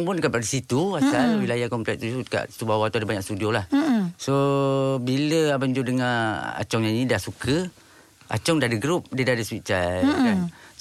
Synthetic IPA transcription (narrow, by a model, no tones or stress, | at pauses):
ŋpʊnkəpadasit̪uasalwilajakɔmplɛk̚t̪uuka̰ʔt̪ubawat̪uadabaɲak̚st̪udiolahsobiləabaənd͡ʒudəŋaa̰t͡ʃɔŋɲainidahsukʰə | a̰t͡ʃɔŋdadəɡɾup̚dədadəswit͡ʃakan